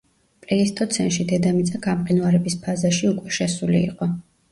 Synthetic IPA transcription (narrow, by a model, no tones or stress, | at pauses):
pʼlɛist̪ʼɔt̪sʰɛnʃid̪ɛd̪amit̪sʼaɡamqʼinuaɾɛbispʰazaʃiukʼwɛʃɛsulḭːqʼɔ